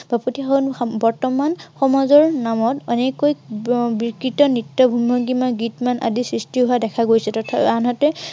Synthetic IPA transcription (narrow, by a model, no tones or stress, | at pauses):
b̥ʱapotiaunbɔɹtɔmanxɔmɔzɔɹnamɔtɔnekːojbikɹitɔnitːɔbʱumɔɡimanɡitmanʔa̰disɹistiɦoadɛkʰaɡojsɛtɔtʰaanɦɔtɛ